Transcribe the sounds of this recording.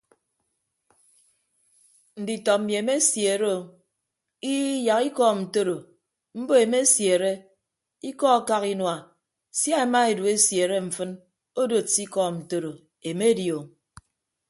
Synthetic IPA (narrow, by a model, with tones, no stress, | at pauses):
n̩˨di˨tɔ˨mje˨˦me˦sje˨ɾe˦o˨ | i˦ja˨ki˦kɔ˦n̩˨to˦ɾo˨ | m̩˦bo˦e˨me˦sje˨ɾe˦ | i˦kɔ˦a˨˦ka˦ki˦nwa˨ | sja˦e˨ma˦e˨du˨e˦sje˨ɾe˦ɱ̩˨fɨ˦n | o˦do˨ti˦kɔ˦n̩˨to˦ɾo˨ | e˨me˦djo˨